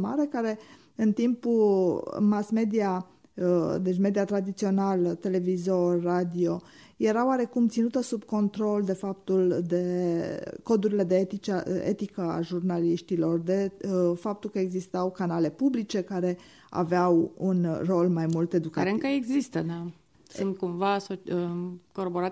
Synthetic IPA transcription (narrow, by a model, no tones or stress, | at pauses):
ma̰ɾe̞kaɾe̞ | ɨnt̪impu | masme̞d̪ia | d̪e̞t͡ʃme̞d̪iat̪ɾad̪it̪sio̞nalt̪e̞le̞vizo̞rʲːad̪io̞ | je̞ɾaoaɾe̞kumt̪sinut̪əsubko̞nt̪ɾo̞ld̪e̞fap̚t̪uld̪e̞ | ko̞d̪uɾile̞d̪e̞et̪it͡ʃeḛt̪ikəa̰ʒurnaliʃt̪ilo̞rd̪e̞fap̚t̪ulkəeɡzist̪awkanale̞publit͡ʃe̞kaɾe̞ | a̰veawunro̞lmajmult̪e̞d̪ukaɾemkəeɡzist̪əd̪a | sɨnt̪̚kumvasot͡ʃəkoɾoboɾa